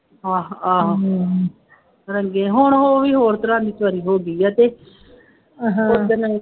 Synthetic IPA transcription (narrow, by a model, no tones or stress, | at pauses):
ãːɦãːɦã | ɾəŋɡeːɦʊɳɦoːʋiːɦoːɾt̪əɾãːnd̪iːt̪ʰʊʋaːɾiːɦoːɡiːaːt̪eː | ɦʊd̪ənə